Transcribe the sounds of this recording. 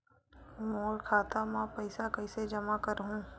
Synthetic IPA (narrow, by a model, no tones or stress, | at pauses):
moːɾkʰaːt̪amãpɐɪsakɐɪsed͡ʒɐmakɐɾɦũː